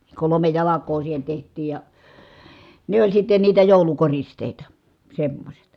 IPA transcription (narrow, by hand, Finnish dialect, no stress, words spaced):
kolome jɑlɑkˑoː siːhen̞ tehtˑiːj jɑ ne olʲ sitːe niːtæ joˑulukoristeˑitɑ semːosʲet